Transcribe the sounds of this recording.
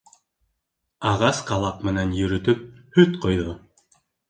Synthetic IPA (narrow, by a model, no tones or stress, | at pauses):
ɑʁɑsqɑlˠɑq̚mɘ̆nænjɵ̆ɾɵ̆t̪ɵp̚hɵt̪qŏjðo